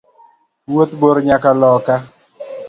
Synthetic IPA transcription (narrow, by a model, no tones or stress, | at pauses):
wot̪boɾɲakalɔka